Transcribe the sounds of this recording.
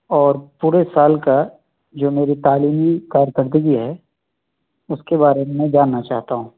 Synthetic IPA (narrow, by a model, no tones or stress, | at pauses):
ɔːɾpuːɾesaːlka | d͡ʒoːmeːɾit̪aːliːmikaːɾjkəɾd̪əɡiɦɛː | ʊskebaːɾemẽd͡ʒaːnːat͡ʃaːɦt̪aɦũː